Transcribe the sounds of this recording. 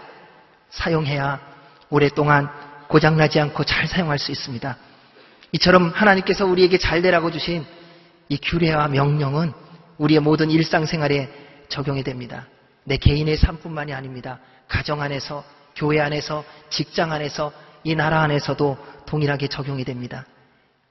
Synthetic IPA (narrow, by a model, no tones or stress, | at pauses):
sʰajoŋɦe̞ja | oɾe̞t͈oŋankod͡ʑaŋnad͡ʑiankʰot͡ɕaɭsʰajoŋɦaɭs͈uis͈ɯmɲida | it͡ɕʰʌɾʌmhanaɲimk͈e̞sʰʌuɾie̞ɡe̞t͡ɕaɭde̞ɾaɡod͡ʑuɕʰin | ikjuɾe̞wamjʌŋɲʌŋɯn | uɾie̞modɯniɭs͈aŋsʰe̞ŋɦwaɾe̞ | t͡ɕʌɡjoŋɦedwe̞mɲida | ne̞ke̞ine̞sʰamp͈unmaɲiaɲimɲida | kad͡ʑʌŋane̞sʰʌ | kjoɦe̞ane̞sʰʌt͡ɕik̚t͡ɕ͈aŋane̞sʰʌinaɾaːne̞sʰʌdotoŋiɾɦaɡe̞t͡ɕʌɡjoŋedwemɲida